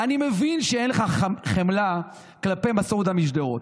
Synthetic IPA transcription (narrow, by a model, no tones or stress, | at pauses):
animevinʃeenleχaχχemla | klape̞jmasod̪hamiʃd̪eot̚